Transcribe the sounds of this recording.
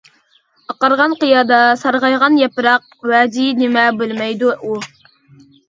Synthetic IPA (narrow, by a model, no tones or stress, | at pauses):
ɑqɑɾʁɑnqɨjɑːd̪ɑsɑɾʁɑjʁɑnjɛpɾɑq̚wɛːd̪inɪmɛbølmɛjd̪uu